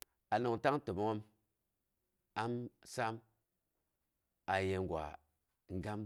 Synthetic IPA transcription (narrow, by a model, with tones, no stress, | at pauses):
a˨no˨ŋta˦ŋ˦to˨mo˨˦ŋo˦m | a˦msa˦m | a˨je˨ŋ˨ɡʷwʷa̰˨ | ŋ̩˦ɡa˦m